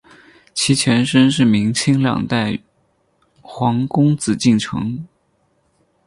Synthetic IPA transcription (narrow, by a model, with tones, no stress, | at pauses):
t͡ɕʰi˧˥t͡ɕʰɥɛ˧˥nʂə˥nʂɻ̩˥˩mi˧˥ŋt͡ɕʰi˥ŋljɑ̰˨˩ŋt̪a˥˩ɪ | xwɑ˧˥ŋkʊ˥ŋt͡sɹ̩˨˩t͡ɕi˥˩ŋʈ͡ʂʰɤ̰˧˥ŋ